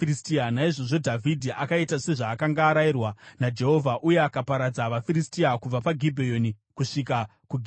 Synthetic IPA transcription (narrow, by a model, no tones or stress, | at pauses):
iistianaiʐo̞ʐo̞dʱavʱidʱiʔakaitase̞ʐaːkaŋɡaːɾairwanad͡ʒe̞ɦo̞vʱaʔuje̞akapaɾad͡zaʋafiɾistiakub͡vapaɡʱibʱejo̞ni | kuʂika | kuɡʱ